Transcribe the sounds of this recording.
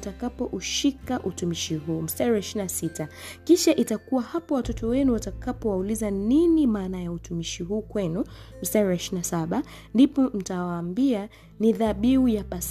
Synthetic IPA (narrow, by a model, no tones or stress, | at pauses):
takapɔʔuʃikaʔutumiʃiɦuːm̩staɾiɛʃinasita | kiʃaʔitakuwahapɔwatɔtɔwɛnuwatakapɔwaulizaninimaːnajautumiʃiɦuːkwɛnum̩staɾɛʃinasaɓa | ndipɔm̩tawaːmbia | niðaɓiujapas